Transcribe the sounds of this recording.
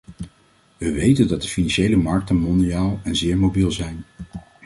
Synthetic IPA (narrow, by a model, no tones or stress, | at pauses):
ʋəʋejtəndɑt̚dəfinɑnʃejləmɑɹk̚tənmɔndijaːlˠɛnzɪːɹmobilˠzɛjn